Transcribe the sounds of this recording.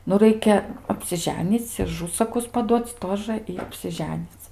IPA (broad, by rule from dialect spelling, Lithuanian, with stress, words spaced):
nʊ ˈrɐɪkʲɛ ɐpʲsʲɪˈʒʲæːnʲiːt͡sʲ ɪ ɐˈʒʊsɐkʊs pɐˈduɔt͡sʲ ˈtoːʒə ɪ ɐpʲsʲɪˈʒʲæːnʲiːt͡sʲ